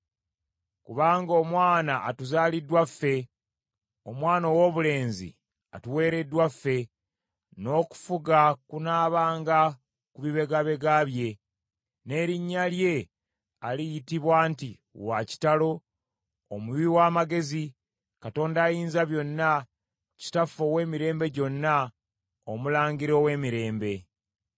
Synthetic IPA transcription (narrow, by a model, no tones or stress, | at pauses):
kuβaːŋɡo̞ːmwaːnaʔːtuzaːlidwafːe̞ | o̞mwaːnowoβule̞ːnzḭ | a̰tuwe̞ːɾe̞dːwafe̞ | no̞ːku̥fuɡakunaːβaːŋɡa | kuβiβe̞ɡaβe̞ɡaβje̞ | ne̞ɾiɲːalje̞ | alijitiβwaːnti | waci̥talo̞ː | muwiwaːmaɡe̞zi | kato̞ːndaːjiːnzaβjo̞nːa | ci̥tafo̞we̞ːmiɾe̞ːmbe̞ɟo̞nːa | omulaːŋɡiɾo̞ːwe̞ːmiɾe̞ːmbe̞